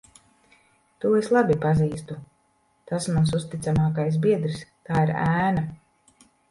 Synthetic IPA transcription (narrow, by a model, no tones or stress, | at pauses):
t̪uːeslˠabʲipaziːst̪u | t̪asmans̬ust̪it̪samaːkajs̬biɛd̪ɾist̪aːiɾæːna